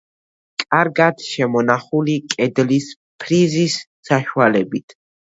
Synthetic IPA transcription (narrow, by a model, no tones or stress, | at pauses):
kʼaɾɡat̪ʃɛmɔnaχulikʼɛd̪lis | pʰɾizis | saʃwalɛbit̪ʰ